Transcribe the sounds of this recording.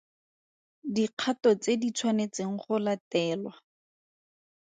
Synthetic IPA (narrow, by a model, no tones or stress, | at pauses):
diq͡χʰatɔt͡sedit͡sʰwanet͡seŋ̩χʊlatɛːlwa